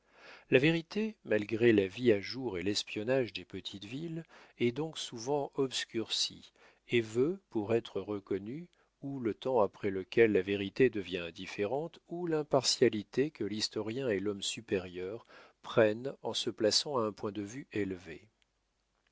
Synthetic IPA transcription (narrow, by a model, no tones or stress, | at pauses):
laveʁit̪emalɡʁelaviaʒuʁelɛspjɔnaʒd̪epət̪ʰit̪vilɛd̪ɔ̃ksuvɑ̃ɔbskʲyʁsḭ | evøpuʁɛt̪χəʁəkɔny | ulət̪ɑ̃apχɛləkʲɛlːaveʁit̪ed̪əvjɛ̃ɛ̃d̪ifeʁɑ̃t̪ulɛ̃paʁsjalit̪ekəlist̪ɔʁjɛ̃ɛlɔmsypeʁjœʁpχɛnɑ̃səplasɑ̃aɛ̃pwɛ̃d̪əvyelvḛ